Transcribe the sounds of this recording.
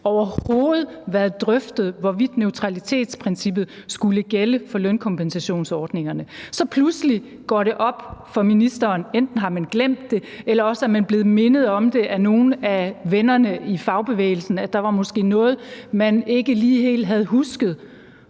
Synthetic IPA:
ɒʊɐho̝ːð̞̩ˠʋæɐð̩ˠd̥ʁœfd̥ð̞̩ˠʋɒʋid̥nøʊt͡sʰʁɑ̈lit͡sʰe̝̰ːd̥spʰʁɛnsib̥ð̩ˠsɡ̥uləɡ̥eləfɒ̽lœnkʰɒ̽mpensæɕo̝̰ːnsɒːd̥ne̝ŋɐnəsɒ̽pʰlusli | ɡ̥ɒ̰ːɾe̝ʔɒ̽b̥fɒ̽minisd̥ɐːnend̥n̩ɦɑ̈mænɡ̥lem̰d̥ːe̝elɐɒ̽səæmænb̥le̝ːð̩ˠme̝nəð̞̩ˠɒ̽md̥e̝ʔæno̝ːn̩æʋenɐnəifɑ̈ʊb̥e̝ʋḛːɪl̩sn̩æd̥ɑ̈ʋɑ̈mɒ̽sɡ̥e̝̰ːnɔ̽ːð̞̩ˠmæne̝ɡ̥əliːhe̝̰ːld̥ɦæð̞̩ˠɦusɡ̥ð̞̩ˠ

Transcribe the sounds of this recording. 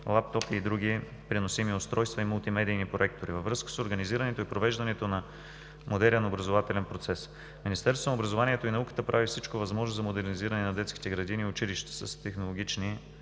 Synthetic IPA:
lˠap̚t̪ɔpiːd̪ɾuɡ̟i | pɾinosimiʊst̪ɾɔjst̪vɐiməlˠt̪imɛd̪iːnipɾoɛk̚t̪oɾivɐvɾɤskə̥soɾɡəniziɾənɛt̪oipɾovɛʒd̪ɐnɛt̪onɐ | mod̪ɛlʲənɐobɾɐzovat̪ɛlɛnpɾot̪sɛs | minist̪ɛɾsonobɾɐzovaniɛt̪oinɐukə̥t̪əpɾʔavifsit͡ʃkovɐzmɔʒnozɐmod̪ɛɾniziɾɐnɛnɐd̪ɛt̪ski̥t̪ɛɡɾɐd̪iniʊt͡ʃiliʃt̪ɛ̥səst̪ɛxnolˠoɡʲit͡ʃni

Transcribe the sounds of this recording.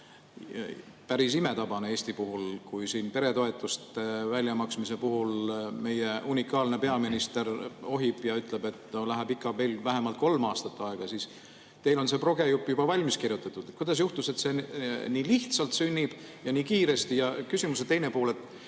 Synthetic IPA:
pæɾis̬ime̞t̪ɑbɑneeːsʲt̪ipuɦulkujsiːnpe̞ɾe̞t̪o̞e̞t̪ːˑust̪vælʲjɑmɑksmise̞puɦulme̞je̞ʔunʲikːˑɑːlne̞pe̞ɑminist̪e̞ro̞ɦib̥jɑyt̪ːˑle̞be̞t̪nolæɦebikːˑɑve̞ːlvæɦe̞mɑlt̪̚ko̞lmɑːst̪ɑt̪ːˑɑe̞ɡ̥ɑsiːs | t̪e̞jlo̞nse̞pro̞ɡe̞jupːˑjub̥ɑvɑlʲmiskirjut̪ːˑɑt̪ːˑud̥̪et̪̚kujd̪̥ɑs̬juht̪use̞t̪se̞ːniːliht̪sɑlt̪synʲːib̥jɑniːkiːɾe̞st̪ijɑkysimus̬et̪ːe̞jne̞puːle̞t̪ːˑ

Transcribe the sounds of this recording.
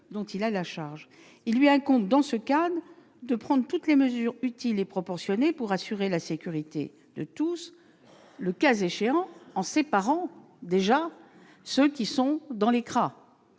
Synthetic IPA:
d̪ɔ̃t̪ilalaʃaʁʒ | ilːɥiɛ̃kɔ̃t̪̚d̪ɑ̃səkad̪ | d̪əpχɑ̃d̪ʁt̪ut̪leməzyʁyt̪ilepχɔpɔʁsjɔnepuʁasyʁelasekʲyʁit̪ḛ | d̪̥ə̰t̪us | ləkazeʃeɑ̃ɑ̃sepaʁɑ̃ | d̪eʒa | səkʲisɔ̃d̪ɑ̃lekχa

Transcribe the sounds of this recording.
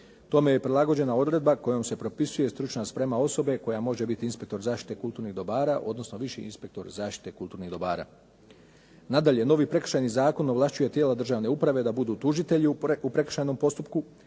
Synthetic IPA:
t̪o̞me̞jepɾilˠaɡo̞d͡ʑe̞nao̞d̪ɾe̞d̪bako̞jo̞mse̞pɾo̞pisuje̞st̪ɾut͡ʃnaspɾe̞mao̞so̞be̞ko̞jamo̞ʒe̞bit̪iinspe̞k̚t̪o̞ɾzaːʃt̪i̥t̪e̞kulˠt̪uːɾniɣd̪o̞baːɾaʔo̞d̪no̞sno̞ʋiʃḭḭnspe̞k̚t̪o̞ɾzaːʃt̪i̥t̪e̞kulˠt̪uːɾniɣd̪obaːɾa̰ː | nad̪aʎe̞no̞ʋipɾe̞k̩ʃajnizaːko̞noʋlˠaʃt͡ʃuje̞t̪jeːlad̪r̩ʒaːʋne̞upɾaʋe̞d̪abud̪uːt̪uʒit̪e̞ʎiupɾe̞kr̥ʃajno̞mpo̞st̪upku

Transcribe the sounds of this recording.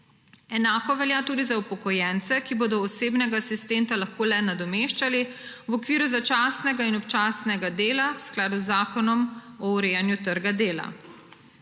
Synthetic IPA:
ɛnaːkɔʋɛljaːt̪uːd̪izaupɔkɔjɛnt̪sɛkiboːd̪ɔːseːbnɛɡasist̪ɛnt̪alaxkoːlɛnad̪ɔmeːʃt͡ʃaliwɔkʋiːɾuzat͡ʃaːsnɛɡainɔpt͡ʃaːsnɛɡad̪eːlawsklaːd̪uzːaːkɔnɔmɔuɾeːjanjut̪əɾɡad̪eːla̰

